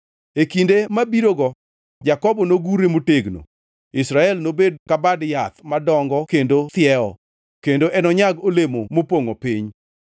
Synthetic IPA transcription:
ekindemabiɾoɡɔ | d͡ʒakɔbɔnoɡuɾemoteɡno̰ | ɪsɾaɛlnobed̚kabadjat̪madɔŋɡɔkendot̪ɪjɛɔ̰ | kendoʔɛnɔɲaɡolemomopoŋopɪɲ

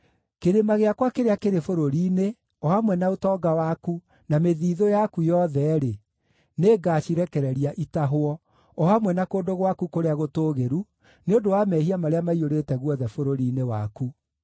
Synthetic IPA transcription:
keɾemaɣeakwakeɾeakeɾefoɾoɾiːne | ɔhamwɛnaotɔːɡawaku | nameðiːðojakujɔðɛɾe | neːɡaːʃiɾɛkɛɾɛɾiaʔitaɦoɔ | ɔhamwɛnakoːndoɣwakukoɾeaɣotoːɣeɾu | neondowamɛhiamaɾeamaioɾetɛɣwɔðɛfoɾoɾiːnewa̰ku

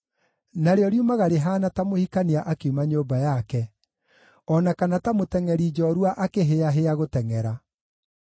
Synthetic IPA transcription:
naɾeɔɾjumaɣaɾeɦaːnatamohikaniaʔakeumaɲoːbajakɛ | ɔnakanatamotɛŋɛɾiːd͡ʒɔɾwaʔakeɦeaɦeaɣotɛŋɛɾa

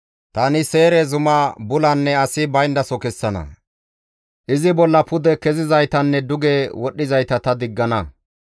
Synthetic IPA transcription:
t̪ɐnɪseːɾɛzʊmɐbʊlɐnːɛɐsɪbɐjnd̪ɐsɔkɛsːɐnɐ̰ | ʔɪzɪbɔlːɐpʊd̪ɛkɛzɪzɐjt̪ɐnːɛd̪ʊɡewɔɗːɪzɐjt̪ɐt̪ɐd̪ɪɡːɐnɐ

